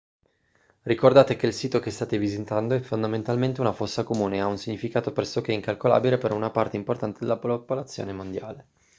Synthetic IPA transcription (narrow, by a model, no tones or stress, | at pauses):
rikord̪aːt̪ekeilsiːt̪okest̪aːt̪evizit̪and̪oɛfːond̪ament̪alment̪eunafosːakomuːneaunsiɲːifikaːt̪opɾɛsːok̟eɛiŋkalkola̰ːbilepeɾɔunapart̪eimport̪ant̪ed̪elapopolat̪sːjo̰ːnemond̪jaːle